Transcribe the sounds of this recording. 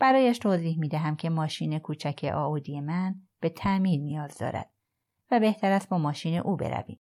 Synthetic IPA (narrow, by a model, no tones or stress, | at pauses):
b̥æɾɒːjæʃt̪ʰoːziːhmiːd̪æɦæmcʰe̞mɒːʃiːne̞kʰuːt͡ʃʰæcʰḛʔɒ̰ːʔud̪ije̞mæn | b̥e̞t̪ʰæʔmiːɾnijɒːzd̪ɒ̰ːɾæ̰d̪̥ | væbe̞ht̪ʰæɾæst̪̚bɒːmɒːʃiːne̞̰ʔuːbḛɾæ̰vḭːm